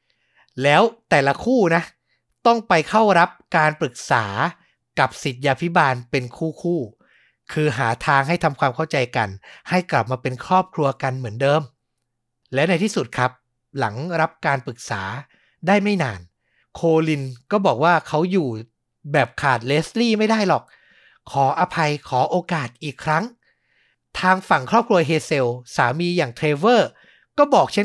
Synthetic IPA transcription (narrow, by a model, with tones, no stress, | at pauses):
lɛː˦˥wt̪ɛː˨˩la˧kʰuː˥˩na˦˥ | t̪ɔ˥˩ŋpa˧jkʰa˥˩wɾa˦˥p̚kaː˧npɾɯ˨˩k̚saː˩˦ | ka˨˩p̚si˨˩t̪̚jaː˧pʰi˦˥baː˧npe˧nkʰuː˥˩kʰuː˥˩ | kʰɯː˧ɦaː˩˦t̪ʰaː˧ŋɦa˥˩jt̪ʰa˧mkʰwaː˧mkʰa˥˩wt͡ɕa˧jka˧nha˥˩jkla˨˩p̚maː˧pe˧nkʰɾɔː˥˩p̚kʰɾu˧ɐka˧nmɯ˩˦əndɤː˧m | lɛː˦˥wna˧jt̪ʰiː˥˩su˨˩t̪̚kʰɾa˦˥p̚ | la˩˦ŋɾa˦˥p̚kaː˧npɯ˨˩k̚sa̰ː˩˦ | daː˥˩jma˥˩jnaː˧n | kʰoː˧li˧nkɔː˥˩bɔː˨˩k̚waː˥˩kʰa˦˥wjuː˨˩ | bɛː˨˩p̚kʰaː˨˩t̪̚leː˦˥sliː˥˩ma˥˩jdaː˥˩jlɔ˨˩k̚ | kʰɔː˩˦ʔa˧pʰa˧jkʰɔː˩˦ʔoː˧kaː˨˩t̪̚ʔiː˨˩kʰːɾa˦˥ŋ | t̪ʰaː˧ŋfa˨˩ŋkʰɾɔː˥˩p̚kʰɾu˧ɐɦeː˧se˧wsaː˩˦miː˧jaː˨˩ŋt̪ʰɾeː˧wɤː˥˩ | kɔː˥˩bɔː˨˩k̚t͡ɕʰe˦˥˩